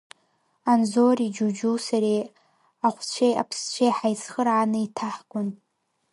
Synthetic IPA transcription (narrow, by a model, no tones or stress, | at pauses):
anzorid͡ʒud͡ʒuwsaɾe | aχʷt͡ɕʷʰeja̰pʰst͡ɕʷʰejħajt͡sχərʕanɨitʰaħɡʷʊn